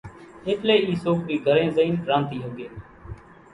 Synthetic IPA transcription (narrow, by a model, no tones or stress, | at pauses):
ɪt̪ʰleːiːsoːk̚biːɡʱəɾẽːzəiːnkɾãːnt̪iːɦoːɡeː